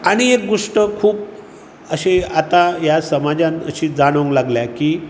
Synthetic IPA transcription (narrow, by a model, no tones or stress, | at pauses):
aɽ̃iek̚ɡoʂʈəkʰuːp̚ | əɕeat̪ajasəmad͡zãnəɕiːd͡zaɽ̃əŋɡlaɡljakiː